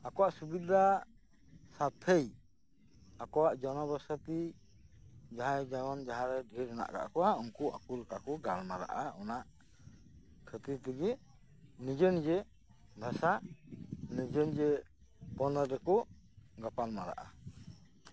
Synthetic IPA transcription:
akɔwaʔsubid̪a | sat̪ʰːej | akɔwaʔd͡ʒɔnɔbɔsat̪i | d͡ʒaɦajd͡ʒaɡɔnd͡ʒaɦãɾɛdʱiɾɛna̰ʔɡa̰ʔkɔwaɔŋkuʔa̰kulkakɔɡalmaɾa̰ʔaɔnaʔ | kʰət̪it̪əɡi | nid͡ʒənd͡ʒɛ | bʱɛsaʔnid͡ʒənd͡ʒɛ | pɔnadɛkɔ | ɡapalmaɾa̰ʔa

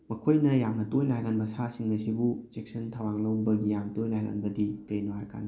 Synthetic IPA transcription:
mɐkʰojnɐjamnɐtojlajɡanbɐsasiŋɐsibusek̚sɐntʰɐwaŋlɐwbɐɡijamtojlajɡa̰nbɐdikɐjnuɦajka̰n

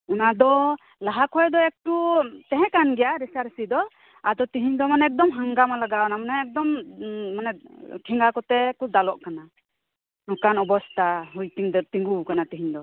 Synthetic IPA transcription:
unad̪ɔ | laɦakʰɔjd̪ɔɛk̚ʈut̪ɛɦɛ̃kanɡɛjaɾɛsaɾsid̪ɔ | ad̪ɔt̪iɦiɲd̪ɔmanɛɛk̚d̪ɔmɦaŋɡamalaɡanamanɛɛk̚d̪ɔmmanɛʈʰiŋɡakɔt̪ɛkud̪alɔʔkana | nɔkanɔbɔst̪ʰaɦujt̪iŋd̪ɔt̪iŋɡukanat̪iɦiɲd̪ɔ

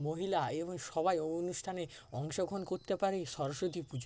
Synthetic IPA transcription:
moɦilaeboŋʃɔbajonuʃʈʰaneɔŋʃokʰonkoɾt̪epaɾeʃɔɾoʃot̪ipud͡ʑ

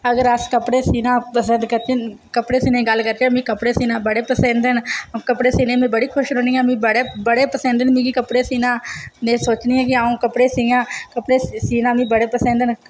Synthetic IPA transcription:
əɡəɾəskəpɽeːsiːnãːpəsənd̪kəɾt͡ʃe | kəpɽeːsiːnẽːɡəlkəɾt͡ʃemĩːkəpɽeːsiːnãːbəɽeːpəsɛ̃nd̪ənkəpɽeːsiːneːmẽːbəɽiːkʰʊʃɾoːniːãmĩːbəɽeːbəɽeːpəsɛ̃ːnd̪ənmĩːɡikəpɽeːsiːnãːnẽːsoːt͡ʃniːãːkɪaːũːkəpɽeːsiːjãːkəpɽeːsiːnãːmĩːbəɽeːpəsɛ̃ːnd̪ən

